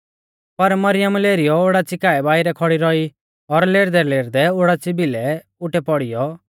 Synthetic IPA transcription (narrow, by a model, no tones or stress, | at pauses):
pɐɾmɐɾɪjəmleːɾɪjɔoɽat͡sɪkaːɛbaːɪɾɛkʰɔɽiɾɔi | ɔɾleːɾd̪ɛleːɾd̪ɛoɽat͡sibilɛ | ʊʈɛpɔɽɪjɔ